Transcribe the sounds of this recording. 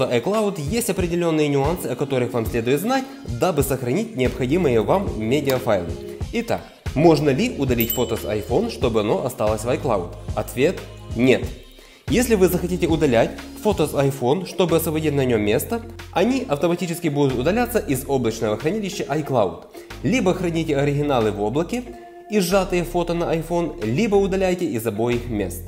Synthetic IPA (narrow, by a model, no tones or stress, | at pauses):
ʂt̪oʔɐjklˠaʊt̪jesʲtʲɐpɾʲɪdʲɪlʲo̞nːɨjənʲʊansɨɐkɐt̪o̞ɾɨxvamsʲlʲe̞d̪ʊjɪt̪znatʲ | d̪abɨsəxɾɐnʲit̚ʲnʲɪɐpxɐdʲimɨjəvammʲedʲɪɐfajlˠɨ̰ | ɪt̪a̰k | mo̞ʐnəlʲɪʔʊd̪ɐlʲitʲfot̪əsɐ̰jfo̞nʂt̪o̞bɨɐno̞ʔɐst̪alˠəsʲvɐjklˠa̰ʊt̪ɐt̪vʲe̞t̪nʲe̞t̪ | jesʲlʲɪvɨzəxɐtʲitʲɪʊd̪ɐlʲætʲfot̪əsɐjfo̞nʂt̪o̞bɨɐsvəbɐdʲitʲnɐnʲo̞mʲːe̞st̪əɐnʲiʔɐft̪əmɐtʲit͡ɕɪskʲɪbud̪ʊt̪ʊd̪ɐlʲat̪sːəʔɪzo̞blˠət͡ɕnəvəxɾɐnʲilʲɪɕːɪʔɐjklˠaʊt̪ | lʲibəxɾɐnʲitʲɪɐɾʲɪɡʲɪnalˠɨvo̞blˠəkʲɪ | ɪʐat̪ɨjəfo̞t̪ənɐʔɐjfo̞nlʲibəʊd̪ɐlʲæjtʲɪɪzɐbo̞jixmʲe̞̰st̪